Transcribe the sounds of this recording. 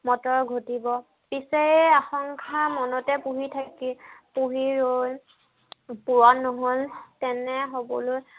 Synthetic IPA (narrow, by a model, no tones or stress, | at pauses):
mɔtɔɹɡʱotibɔ | pisɛaxɔŋkʰamɔnɔtɛpuɦitʰakipuɦiɹol | puwanːɔɦoltɛnɛɦobɔ̰lo